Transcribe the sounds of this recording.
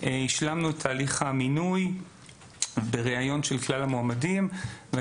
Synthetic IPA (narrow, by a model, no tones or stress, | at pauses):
ʔeiʃlamnuetʰaːliχhaminuj | beʁeajo̞nʃelklalamoamadimve